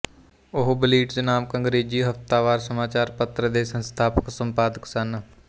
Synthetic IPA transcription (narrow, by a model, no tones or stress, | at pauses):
ʊɦbɪliːʈdnaːmkə̃ŋɡɾeːd͡ʒiːɦəft̪aːʋaːɾsəmaːt͡ʃaːɾpət̪ɾəd̪eːsə̃nst̪ʰaːpəksəmpaːd̪əksən